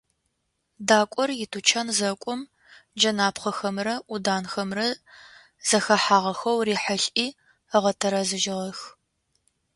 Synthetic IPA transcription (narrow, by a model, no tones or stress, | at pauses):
daːkʷʼɔrjɪtʰut͡ʃʰɐnzɐkʷʼʊm | d͡ʒɐnaːpχɐxɐmrɐʔʊdaːnxɐmrɐ | z̥ɐxɐħaːʁɐxɐwriːħəɬʔiː | əʁɐtʰɐɾɐzɨʒɪʁɐx